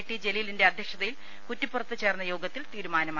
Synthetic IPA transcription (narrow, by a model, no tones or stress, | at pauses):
ʈːid͡ʑe̞lijlinde̞ɐd̪ʱjekʂɐðɐjil | kutːipːurɐt̪ːɨt͡ɕe̞ːrnːɐjo̞ːɡɐt̪ːilt̪iːɾumaːnɐma